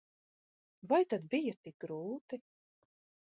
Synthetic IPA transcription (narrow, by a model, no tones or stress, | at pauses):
vajt̪ad̪bijat̪ik̚ɡɾuːt̪i